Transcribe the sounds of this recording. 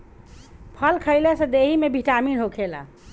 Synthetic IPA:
pʰəlkʰəjlɛsə̃d̪eɦimebʱiʈaminɦokʰela̰

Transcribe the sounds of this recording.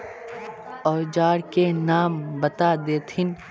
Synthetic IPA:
ɔːd͡ʒaːɽkenaːmbɐt̪ad̪eːt̪ʰɪn

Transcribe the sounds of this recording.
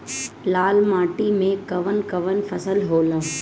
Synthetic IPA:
laːlmaːʈimẽkɐʋənkɐʋənfʰɐsəlɦoːlə

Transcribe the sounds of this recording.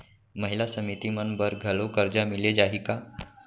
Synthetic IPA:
məɦilasəmit̪imənbəɾɡʱəlokəɾd͡ʑamiled͡ʒaɦika

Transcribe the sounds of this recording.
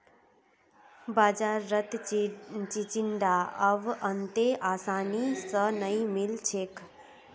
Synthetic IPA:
baːd͡ʒaːɾːət̪ | t͡ʃit͡ʃiɳɖ̪aːəʋənt̪eʔaːsaːnisənəĩmilt͡ʃʰeːk

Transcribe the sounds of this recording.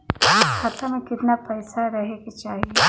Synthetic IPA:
ɪskʰaːt̪amẽkɪt̪napɛːsaɾɐɦeket͡ʃaːɦie

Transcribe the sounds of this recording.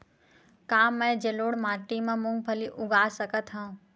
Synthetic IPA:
kaːmːə̃jd͡ʒeloːɽmaːʈimãmʊ̃ŋɡ̚pʰəliʔʊɡaːsəkət̪ɦə̃ː

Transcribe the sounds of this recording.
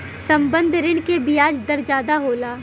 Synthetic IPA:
sɐ̃mbə̃nd̪ʱɾɪɽ̃kebijaːd͡ʒd̪ɐɾd͡ʒaːd̪aɦoːlaː

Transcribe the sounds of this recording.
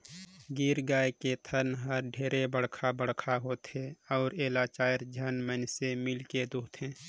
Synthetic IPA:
ɡiːɾɡaːeket̪ʰənɦəɾɖʱeːɾebəɽkʰabəɽ̤kʰaɦoːt̪ɦeɔːɾeːlaːt͡ʃaːjəɾd͡ʒʱənmənsemɪlked̪uːt̪ʰɦẽː

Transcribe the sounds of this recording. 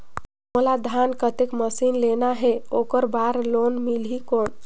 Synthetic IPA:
mulad̪ʱankət̪ekməsinlenaɦeokəɾbaɾlonmilɦikoɳ

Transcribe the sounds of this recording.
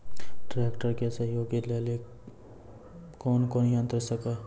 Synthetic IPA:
ʈɾekʈəɾkesəɦjoːɡilele | konkonjə̃nt̪ɾəsəke

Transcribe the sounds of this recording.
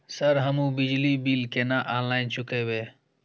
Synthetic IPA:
səɾɦəmũːbɪd͡ʒliːbiːlkeːnaːʔaːnlaːɪnt͡ʃʊkeːweː

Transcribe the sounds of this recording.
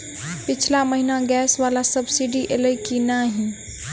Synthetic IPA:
pɪt͡ʃʰlaməɦinaɡɛːsʋalasəbsiɖiʔeləikinaɦĩ

